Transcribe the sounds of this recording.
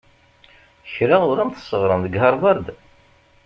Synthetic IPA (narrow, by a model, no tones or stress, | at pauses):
əçɾaʊɾæmθə̥sːəʁɾˤənðəɡhɑɾˤvɑɾˤd̪